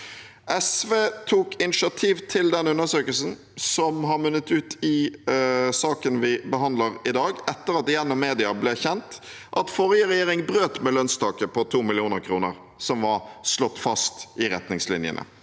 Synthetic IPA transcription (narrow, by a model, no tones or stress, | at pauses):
ʔɛsʋeːt̪ʰuːkɪnɪʃɑt̪ʰiːʋt̪ʰɪld̪ɛnʉnːəsøːkəlsən | sɔmɦɑɾmʉnːət̪ʉːt̪ɪ | sɑːkənʋɪbəɦɑnd̪ləʁɪd̪ɑːɡɛt̪ːəɾɑt̪ɪjɛnːɔmmeːd̪ɪɑblɛçɛnt̪ | ʔɑt̪fɔɾjəʁɛjeːʁɪŋbʁøːt̪mɛlœnst̪ʰɑːkəpʰɔt̪ʰuːmɪlɪuːnəɾkʰɾuːnəʁ | sɔmʋɑɾslɔt̪ːfɑst̪ʔɪʁɛt̪nɪŋslɪnjə̰nə̰